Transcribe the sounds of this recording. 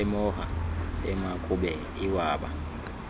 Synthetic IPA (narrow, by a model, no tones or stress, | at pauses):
ɛmɔɦa̰ɛmakʼuɓɛ | iwaːɓa̰